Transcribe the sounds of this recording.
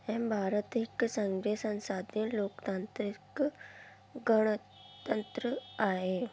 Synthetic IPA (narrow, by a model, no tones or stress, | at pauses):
ɛ̃mbʱaɾət̪iksə̃ŋɡɾesə̃nsad̪jiloːkt̪ant̪ɾik | ɡəɽ̃ | t̪ənt̪ɾəaɦe